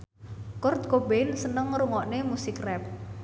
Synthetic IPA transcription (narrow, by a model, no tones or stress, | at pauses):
kʊrt̪̚kobensənəŋɾuŋɔʔnemusikrɛp̚